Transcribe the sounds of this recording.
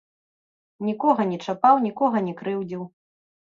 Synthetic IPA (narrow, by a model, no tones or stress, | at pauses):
nʲikɔɣɐnʲɛt͡ʂapawnʲikɔɣɐnʲɛkɾɨwd͡zʲiw